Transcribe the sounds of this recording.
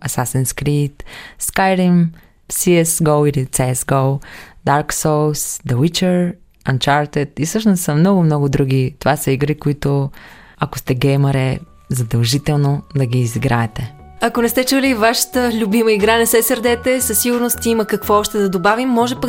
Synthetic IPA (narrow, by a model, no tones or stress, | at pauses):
ɐsasɛnskɾit̪skajɾim | siɛsɡowilit̪sɛɛsɡowd̪aɾksowsd̪ɐwit͡ʃəɾ | ɐnt͡ʃaɾt̪ɛt̪isɤʃnossɐmnɔɡʊmnɔɡʊd̪ɾuɡ̟it̪ovasɐiɡɾikoit̪ʊɐko̥st̪ɛɡɛjmɐɾɛ | zɐd̪ɐlˠʒit̪ɛlˠnod̪ɐɡʲiːziɡɾaɛt̪ɛ | ɐkonɛst̪ɛt͡ʃulivaʃə̥t̪əlʲʊbiməiɡɾanɛsɛsɐɾd̪ɛt̪ɛsɐsːiɡʊɾnost̪imɐkɐkvɔɔʃt̪ɛd̪ɐd̪obavimːɔʒɛpək